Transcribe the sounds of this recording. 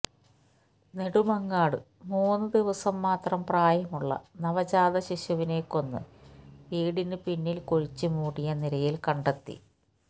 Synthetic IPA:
ne̞ɽumɐŋːaːɽɨ̰ | muːnːɨd̪iʋɐsɐmːaːt̪rɐmpraːjɐmuɭːɐ̰nɐʋɐt͡ɕaːðɐɕiɕɐʋine̞ːkːo̞nːɨ̰ʋiːɽinɨpinːilkoɻit͡ɕːɨmuːɽijɐnilɐjilkɐɳɖet̪ːḭ

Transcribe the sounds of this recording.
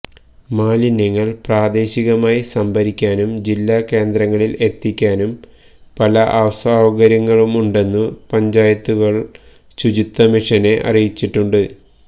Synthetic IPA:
maːlinːiŋːɐɭpraːd̪e̞ːɕiɣɐmaːjisɐmbʱɐɾikʲːaːnumd͡ʑilːaːke̞ːnd̪rɐŋːɐɭile̞t̪ːikʲːaːnum | pɐlɐʔɐʋɐsaːʋɐɣɐɾjɐŋːɐɭumuɳɖe̞nːupɐɲd͡ʑaːjɐt̪ːuɣɐɭ | ɕud͡ʑit̪ːɐmiʂɐne̞ʔɐ̰rijit͡ɕːiʈːuɳɖɨ

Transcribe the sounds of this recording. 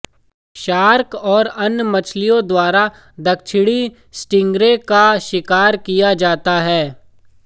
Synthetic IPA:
ʃaːɾkɔːɾɐnmɐt͡ʃʰlijõd̪waːɾa | d̪ɐk̚t͡ʃʰɪɽi | sʈɪ̃ŋɡɾẽkaʃɪkaːɾkijad͡ʒaːt̪aɦɛː

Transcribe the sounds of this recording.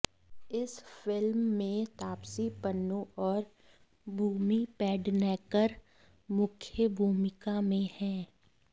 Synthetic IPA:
ɪsfɪlmːẽt̪aːpsipənːõɔːɾ | bʱuːmipɛːɖnɛːkəɾ | mʊkʰjəbʱuːmɪkamẽhɛ̃ː

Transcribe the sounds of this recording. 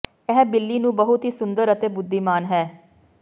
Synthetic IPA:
ɛɦbɪlːiːnũːbəɦʊt̪ɦiːsʊnd̪əɾət̪eːbʊd̪ːiːmaːnɦɛː

